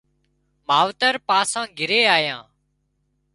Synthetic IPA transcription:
maːʋt̪əɾpaːsãːɡʱɪɾeːaːjãː

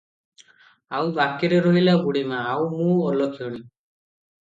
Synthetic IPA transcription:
awbakiɾeɾoɦilaɡuɽimãːwmũɔlɔkʰioɽ̃i

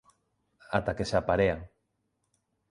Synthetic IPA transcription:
a̰t̪akesapaɾeaŋ

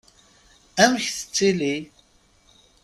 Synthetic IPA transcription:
æmçθə̥t͡sːili

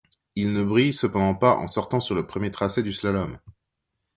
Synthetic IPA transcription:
ilnəbʁijsəpɑ̃d̪ɑ̃paʔɑ̰̃sɔʁt̪ɑ̃syʁləpχəmjet̪χasɛd̪yslalɔm

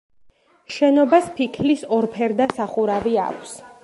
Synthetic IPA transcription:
ʃɛnɔbaspʰikʰlisɔɾpʰɛɾd̪asaχuɾavia̰kʷʰs

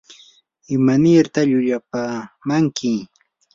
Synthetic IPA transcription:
ɪmanɪɾt̪aʎʊʎapamaŋkɪ

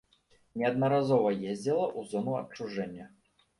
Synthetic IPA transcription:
nʲɛɐd̪̚nɐɾazɔvɐjezʲdʲd͡zʲɛlˠɐʔuzɔnuɐ̰p̚t͡ʂuʐɛnʲːɐ

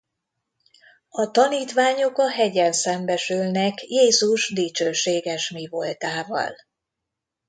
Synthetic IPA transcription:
ɒt̪ɒniːt̪ʋaːɲo̞kɒɦɛɟɛnsɛmbɛʃylnɛkjeːzuʒd̪it͡ʃøːʃeːɡɛʃmivo̞lt̪aːvɒ̰l

